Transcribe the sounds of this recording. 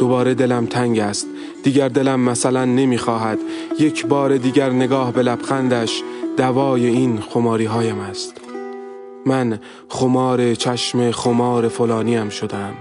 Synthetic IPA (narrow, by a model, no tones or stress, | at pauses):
d̪̥o̞bɒːɾe̞d̪e̞læmt̪ʰæŋɟæst̪̚ | d̪iːɟæɾd̪e̞læmːæsælænːe̞miːxɒːɦæd̪̥je̞cʰbɒːɾe̞d̪iːɟæɾne̞ɡɒːhbe̞læb̥xænd̪æʃd̪̥ævɒːje̞iːnxo̞mɒːɾiːɦɒːjæmæst̪ | mæn | χo̞mɒːɾe̞t͡ʃʰæʃme̞χo̞mɒːɾe̞folɒːniæmʃo̞d̪eæm